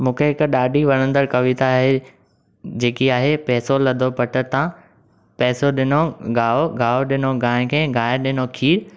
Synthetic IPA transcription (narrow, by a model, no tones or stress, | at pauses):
mũːkʰeɦɪkɗaːɖʱiʋɐɽ̃ə̃nd̪əɾkɐʋɪt̪aɦe | d͡ʑeːkiaːɦepɛːsolɐd̪ʱopɐʈəɾt̪ã | pɛːsoɗɪnoɡaːoɡaːoɗɪnoɡaːɪ̃kʰẽːɡaːɪɗɪnokʰiːɾ